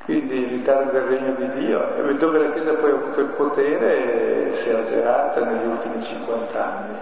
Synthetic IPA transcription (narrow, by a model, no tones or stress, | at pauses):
kʰwind̪iɾit̪ard̪od̪elreɲːod̪id̪iːo̰ved̪ːoːvelakjeːzapɔjavuːt̪oilpot̪eːɾesɛazḛɾaːt̪aneʎːiult̪imit͡ʃiŋkwant̪a̰nːi